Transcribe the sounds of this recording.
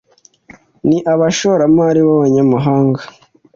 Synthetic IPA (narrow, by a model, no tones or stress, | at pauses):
niʔaβaʃoɾamaɾiβaβaɲamuɦaːŋɡa